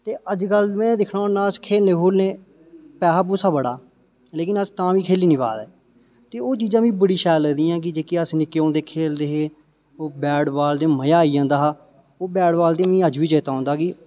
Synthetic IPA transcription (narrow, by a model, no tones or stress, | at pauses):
t̪eːʔəd͡ʒkəlmɛ̃ːd̪ɪkʰɽãːnãːəskʰeːlnẽːkoːlneː | pɛːɦaːpuːsaːbəɽa̰ː | leːkɪnəst̪ãːʋiːkʰeːliːnĩːpa̰ːd̪ɛː | t̪eːoːt͡ʃiːzãːʋĩːbəɽiːʃɛːlːəːd̪iːãːk̬ɪd͡ʒeːkeːəsnɪkːeːõːnd̪eːkʰeːld̪eːɦeː | oːbɛːɽbaːld̪eːməjaːiːãːnd̪aːɦaː | oːbɛːɽbaːld̪eːmĩːəd͡ʒʋiːt͡ʃeːt̪aːɔ̃ːnd̪aːkɪ